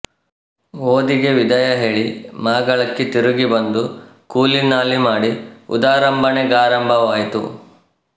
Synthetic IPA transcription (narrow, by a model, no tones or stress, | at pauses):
oːd̪iɡe̞ʋid̪ɐjɐɦeːɭimaːɡɐɭɐkːit̪iɾuɡibɐnd̪ukuːlinaːlimaːɽiṵd̪aːɾɐmbʱɐneɡaːɾɐmbʱɐʋaːjt̪ṵ